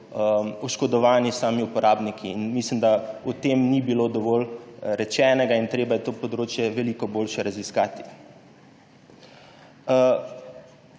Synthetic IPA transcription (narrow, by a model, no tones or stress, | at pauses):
ɔʃkɔd̪ɔʋaːnisaːmiupɔɾʔaːbnikʰiːnmislimd̪aut̪eːmnibiloːd̪ɔʋɔːlɾɛt͡ʃɛːnɛɡaint̪ɾeːbajɛt̪oːpɔd̪ɾoːt͡ʃjɛʋɛliːkɔboːlʃɛɾaziskaːt̪i̥